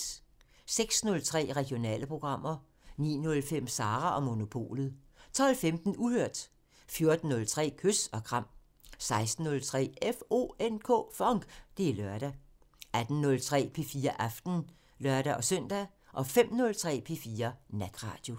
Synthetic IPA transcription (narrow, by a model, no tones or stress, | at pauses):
seɡ̥snɔ̽lt͡sʰʁɛ̰ːʁɛɡ̥io̝nɛ̰ːləpʰʁo̝ɡ̥ʁɑ̈m̰ɐ | nḭːnɔ̽lfem̰sɑ̈ːʁɐʔɒ̽mo̝no̝pʰo̝̰ːlð̩ˠ | t͡sʰɒ̽lfemd̥n̩uhøɐ̰d̥ | fjo̝ɐd̥n̩ːɔ̽lt͡sʰʁɛ̰ːkʰøsɒ̽ɡ̥ʰʁɑ̈m̰ | sɑ̈ɪsd̥n̩ːɔ̽lt͡sʰʁɛ̰ːefo̝̰ːenkʰo̰ːfɒ̽ŋɡ̥d̥e̝lɶɐd̥æ | æd̥n̩nɔ̽lt͡sʰʁɛ̰ːpʰe̝fiːɐʔɑfd̥n̩ | lɶɐɾ̥æʔɒ̽sœn̰d̥æ | ʔɒ̽fem̰nɔ̽lt͡sʰʁɛ̰ːpʰe̝fiːɐnæd̥ʁɑ̰̈ːd̥jo̝